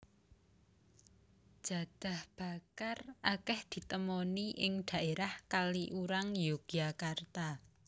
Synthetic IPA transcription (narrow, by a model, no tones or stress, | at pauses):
ʒ̥a̤d̪̥a̤hb̥a̤karʔakɛhd̪̥i̤t̪əmɔniʔɪŋɖ̪̥a̤ʔeɾahkaliʔuɾaŋjoɡ̥iakart̪a